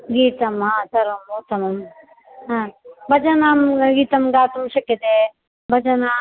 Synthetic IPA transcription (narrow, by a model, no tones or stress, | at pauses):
ɡiːt̪ɐmɦãːsɐɾɐmːoːt̪ɐmɐm | ɦãːbʱɐd͡ʒɐnaːmɡiːt̪ɐmɡaːt̪umʃɐkjɐt̪e | bʱɐd͡ʒɐnaː